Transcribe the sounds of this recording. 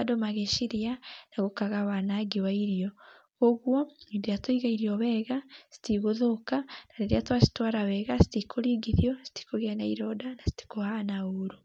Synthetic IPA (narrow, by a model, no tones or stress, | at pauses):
adomaɣeʃiɾianaɣokaɣaβanaɡiwaiɾiɔ | ɣoɣwɔediatoiɣaiɾiɔβɛɣasi̥tiɣoðokanaɾeɾiatwasi̥twaɾawɛɣasi̥tikʰoɾiɡiðjɔsi̥ti̥koɣɛnaiɾɔdanasi̥ti̥kohanaoɾo